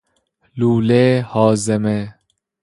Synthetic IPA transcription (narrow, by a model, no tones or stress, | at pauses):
luːlehɒːzeme